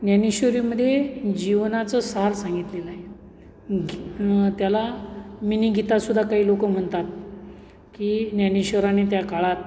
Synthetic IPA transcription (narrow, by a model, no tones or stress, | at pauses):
njaniɕʋəɾiməd̪ʱjed͡ʑiʋnat͡səsaɾsãŋɡit̪leləaɦe | ɡt̪jalaminiːɡʱit̪asud̪ʱːakaɦiːlokəm̤əɳt̪at̪̚ | kinjaniɕəɾanit̪̬jakaɭat̪̚